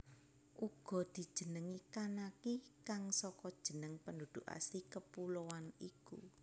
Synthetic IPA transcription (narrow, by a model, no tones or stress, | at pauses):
ʔuɡ̥ɔ̤d̪̥i̤d̥ʒ̥ə̤nəŋikanakikaŋsɔkɔd̥ʒ̥ə̤nəŋpəndud̪̥uʔa̰sikəpuloanikṵ